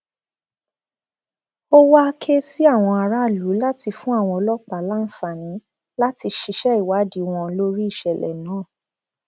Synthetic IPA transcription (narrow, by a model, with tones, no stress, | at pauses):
o˦wa˦˧kʰe˦si˦a˦˨w̃ɔ̃˧a˧ɾa˦˨lu˨˦la˦ti˧fũ˦a˦˨w̃ɔ̃˧ɔ˧lɔ˦k͡pa˨˦la˦n̩˦fa˨nĩ˨˦ | la˦ti˧ʃi˧ʃɛ˦i˨wa˨˦di˨w̃ɔ̃˧lo˦ɾi˦i˦˨ʃɛ˨lɛ̰˨nãː˨˦˨